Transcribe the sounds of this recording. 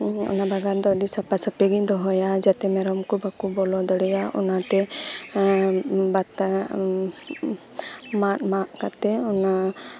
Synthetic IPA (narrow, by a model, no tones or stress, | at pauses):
ɔ̰nabaɡand̪ɔɖisapasapeɡid̪ɔɦɔjad͡ʒat̪ɛmɛɾɔmkubakubɔlɔd̪ɔɽɛjaɔ̰nat̪ɛ | bat̪a | maʔmaʔkat̪ɛɔna